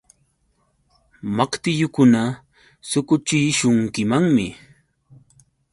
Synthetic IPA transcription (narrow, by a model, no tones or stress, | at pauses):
makt̪ɪjʊkʊna | sʊkʊt͡ʃɪʃʊŋkɪmaŋmɪ